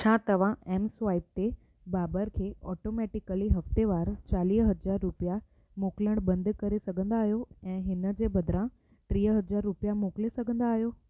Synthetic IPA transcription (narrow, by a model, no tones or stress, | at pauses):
t͡ɕʰãːt̪ɐʋ̤ãɛːmsʋaːɪp̚t̪e | baːbəɾkʰeːɔːʈoːmɛːʈɪkəliɦɐft̪eʋaːɾt͡ɕaːliːɦɐd͡ʑaːɾːʊpija | moːkləɽ̃bɐ̃nd̪kɐɾesɐɡʱə̃nd̪aːɦijoɛ̃ːɦɪnə̆d͡ʑeːbɐd̪ɾã | ʈɾiːɦəɦɐd͡ʑaːɾːʊpjamoːklesɐɡʱə̃nd̪aːɦijoː